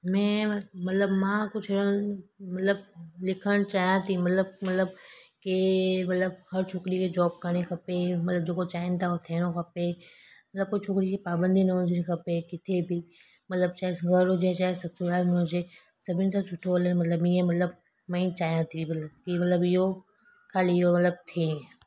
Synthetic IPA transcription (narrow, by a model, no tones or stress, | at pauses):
mɛ̃ːmɐt̪ləbmãkʊt͡ʃʰoɾəɽ̃mɐt̪ləblɪkʰəɽ̃t͡ɕaːɦijãt̪ʰimɐt̪ləb̚mɐt̪ləbkemɐt̪ləbhɐɾt͡ʃʰokɾikʰed͡ʑɔːb̚kɐɽ̃ekʰɐpemɐt̪ləbd͡ʑeːkot͡ɕaːɦɪnɪ̆t̪ʰaot̪ʰeːɽ̃okʰɐpemɐt̪ləb̚kot͡ʃʰokɾikʰepaːbə̃nd̪ʱinɐɦʊ̃d͡ʑenĩkʰɐpekɪt̪ʰebʱi | mɐt̪ləb̚t͡ʃaːesɡəɾod͡ʑẽt͡ʃaːesɐtsoɾaːlmẽɦõd͡ʑe | sɐbʱɪnt̪sʰãsʊʈʰoələnmɐt̪ləbiːẽmɐt̪ləb | mɛ̃ĩt͡ʃaːɦijãt̪ʰimɐt̪ləb̚kimɐt̪ləbɪɦo | kʰaːliɦomɐt̪ləb̚t̪ʰĩ